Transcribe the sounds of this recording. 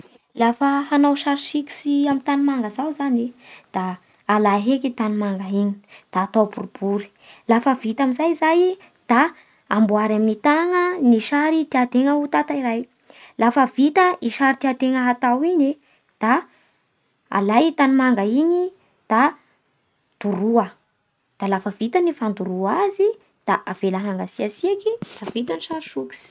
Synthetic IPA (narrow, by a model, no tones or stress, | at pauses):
lafəɦanawʃaɾsiki̥siamit̪animaŋɡəzawzanid̪̥aː | laɦekit̪animaŋɡaiɲi̥d̪̥aːt̪awbuɾub̥uɾi̥ | lafəvit̪amizajizaj | d̪̥aː | mbuaɾaminit̪aŋəniʃaɾid̪̥ead̪eŋəut̪at̪aiɾaj | lafəvit̪əʔiʃaɾit̪eat̪eŋəɦat̪awiɲi | d̪̥a | a̰lajt̪animaŋɡaiɲi | d̪̥a | d̪̥uɾuə | d̪̥alafəvit̪ənifand̪uɾuazi | d̪̥aʔav̥elaɦaŋɡasiasiakid̪̥avit̪aniʃaɾʃuki̥s